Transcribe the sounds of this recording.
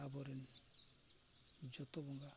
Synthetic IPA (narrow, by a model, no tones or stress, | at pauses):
abɔɾin | d͡ʒɔt̪ɔbɔŋɡa